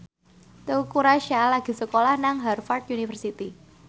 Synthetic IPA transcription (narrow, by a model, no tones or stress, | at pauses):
t̪əukuɾaʃalaɡ̥i̤səkolahnaŋɦarfart̪̚junifərsit̪i